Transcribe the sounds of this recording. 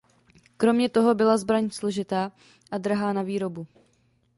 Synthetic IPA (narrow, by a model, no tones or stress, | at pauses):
kɾo̞mɲɛt̪o̞ɦo̞bɪlazbɾaɲslo̞ʒɪt̪aː | ʔad̪ɾaɦaːnaviːɾo̞bu